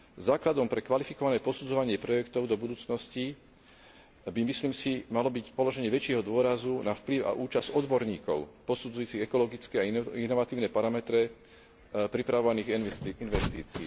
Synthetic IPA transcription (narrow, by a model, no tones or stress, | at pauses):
zaːklad̪ɔmpɾɛkʋalifikɔʋanɛːpɔsud͡zɔʋaɲɪɛpɾɔjɛkt̪ɔʊd̪ɔbud̪uːt͡snɔsci | bimisliːmsimalɔbicpɔlɔʒɛɲɪɛʋɛt͡ʃɪɛɦɔd̪ʊɔɾazunafpliʊa̰ʔuːt͡ʃaz̥ɔd̪bɔɾɲiːkɔ̰ʊpɔsud͡zujuːt͡siɣɛkɔlɔɡit͡skɛainɔʋat̪iːʊnɛpaɾamɛt̪ɾɛ | pɾipɾaʋɔʋaniːɣinʋɛst̪iːt͡siː